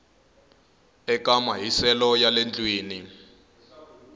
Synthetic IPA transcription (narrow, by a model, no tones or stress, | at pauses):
ɛkamaɦisɛlɔjalend͡ɮʼwiːni